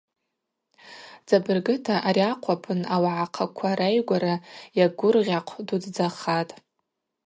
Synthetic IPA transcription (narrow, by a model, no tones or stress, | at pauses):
d͡zabɨrɡɨtʰaʔaɾiaqʷʰapʰɨnawaʕaqʰakʷʰaɾajɡʷaɾajaɡʷʊrʁʲaqʷʰdudd͡zaχatʼ